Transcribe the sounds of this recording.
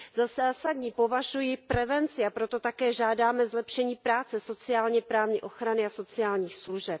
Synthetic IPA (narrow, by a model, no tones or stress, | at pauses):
zasaːsadɲiːpo̞vaʒujɪpɾɛvɛnt͡sɪapɾo̞t̪o̞t̪akɛːʒaːdaːmɛzlɛpʃɛɲiːpɾaːt͡sɛso̞t͡sɪaːlɲɛpɾaːvɲḭʔo̞xɾanɪaso̞t͡sɪaːlɲiːxsluʒɛp̚